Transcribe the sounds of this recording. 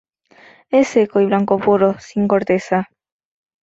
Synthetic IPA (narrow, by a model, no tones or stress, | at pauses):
esekojβlaŋkopuɾosiŋkoɾt̪esa